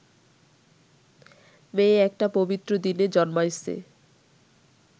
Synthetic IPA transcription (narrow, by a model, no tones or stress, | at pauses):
meɛk̚ʈapobit̪ːɾod̪ined͡ʑɔnmajsḛ